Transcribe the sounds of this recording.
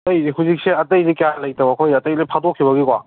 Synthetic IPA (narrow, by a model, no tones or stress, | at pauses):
tɐjziɦuzik̚seɐtɐjzikjalɐjtɐwɐkʰojɐtɐjlepʰadokʰibɐɡikwa̰